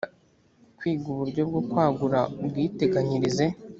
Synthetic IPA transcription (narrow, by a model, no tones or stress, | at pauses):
kwiːɡuβuɾɟo̞bɡo̞kwaːɡuɾabwiːte̞ɡaɲiɾize̞